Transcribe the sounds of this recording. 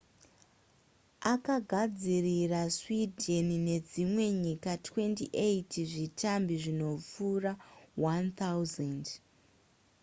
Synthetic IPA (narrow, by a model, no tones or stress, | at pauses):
akaɡʱad͡ziriraswidʱenne̞d͡zimwe̞ɲikatwe̞ntiʔeitʰiʐitambiʐino̞p͡fuːrawant̪awzend